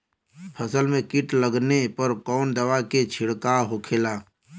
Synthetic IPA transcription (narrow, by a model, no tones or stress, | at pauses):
pʰɐsəlmẽkɪʈləɡnepɐɾkɔːnd̪ɐʋaket͡ʃʰɪɽkaɦokʰeːlaː